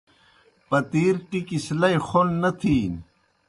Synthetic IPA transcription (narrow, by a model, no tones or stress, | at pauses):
pɐt̪iːɾʈikislɐjxonːɐt̪ʰiːn